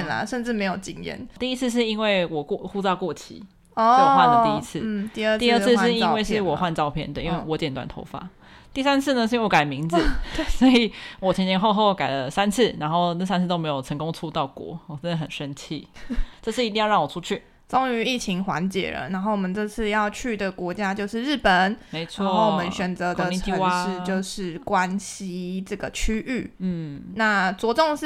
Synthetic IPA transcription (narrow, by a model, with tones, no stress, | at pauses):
na̰˨˩ʂə˥˧nʈ͡ʂɻ̩˥˩me˧ɪjo˨˩ʊt͡ɕi˧˩ŋjɛ̰˧˩nt̪i˥˧i˦˥t͡s̩ʰ˥˧ʂ̬ɻ̩˥˩i˥nwe˥˩ɪwɔ˨˩kwɔ˥˨˩xu˥˧t͡sɑ˥˧ʊkwɔ˥˩t͡ɕʰḭ˧˦ | ɔ˥˧˥wxwa˥˩ndə˨t̪i˥˧i˦˥t͡s̩̪ʰ˥˩˨i˥˧ə˥˧i˥˧ə˥˧t͡s̩ʰ˥˧ɻi˥˧nwe˥˧ɪʂɻ̩˥˩wɔ˨˩xwa˥˧nʈ͡ʂɑ˥˧ʊpʰjɛ˥˩nd̪ə˩ʔi˦nwe˥˩ɪwɔ˧˥˦t͡ɕjɛ˨˩nt̪wa̰˨˩nt̪ʰo̰˧˥ʊfa̰˦ | t̪i˥˩sa˥nt͡s̩ʰ˥˩nə˩ʂ̬ɻ̩˥˩wɔ˧˥ka˨˩ɪmi˧˥ŋd͡z̩˨sɔ˧˥i˨˩wɔ˨˩t͡ɕʰə˧˥nt͡ɕjɛ˧nxo˥˧ʊxo˥˧ʊka˨˩ɪlə˦sa˦˥nt͡s̩ʰ˥˩na˧˥nxo˥˩ʊnə˥˩sa˥nt͡s̩̪ʰ˥˩o˥ʊm˧ɪjo˨˩ə˧˥ŋkʊ˥ŋt͡sʰu˥t̪ɑ˥˩ʊkwɔ̰˧˦wɔ˨˩ʈ͡ʂə˦nd̪ə˨˩ɦə˨˩nʂə˦nt͡ɕʰi˥˧ʈ͡ʂɤ˥˧ʂʰɻ̩˥˩i˧t̪i˥˧jɑ˥˧˥ɑ˥˩wɔ˨˩ʈ͡ʂʰu˦˥t͡ɕʰy˥˩ | t͡so˥ŋy˧˦i˥˩t͡ɕʰi˧˥ŋxwa̰˧˦nt͡ɕjɛ̰˨˩ɻə̰˦na˧˥nxo˥˩ʊwɔ˨˩mə˨˩nt͡sɤ˥˧t͡sʰɹ̩˥˧jɑ˥˧ʊt͡ɕʰy˥˩d̪ə˩kwɔ˧˥t͡ɕja˥t͡ɕjo˥˧ʊʂɻ̩˥˧ɻɻ̩˥˩pə˨˩˦nme˧˥ɪt͡sʰawɔ˧ŋ˥˧o˥˩ʊwɔ˨˩mə˨˦nɕɥɛ˨˩nt͡sə˧˦t̪ə˧i˧t̪ʰi˥ə˧wa˦ʂɻ̩˥˧t͡ɕjo˥˧ʊʂɻ̩˥˩kwa˦nɕi˥ʈ͡ʂɤ˥˩ɡə˩t͡ɕʰy˥ʔy˥˩˥na˥˩t͡swɔ˧˥ʈ͡ʂo˥˧ŋʂ